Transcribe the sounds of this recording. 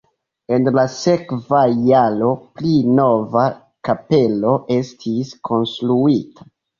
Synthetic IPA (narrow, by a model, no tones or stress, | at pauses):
e̞nlase̞kvajalo̞plino̞va | kape̞lo̞ʔe̞stʰiskʰo̞nstɾuitʰḁ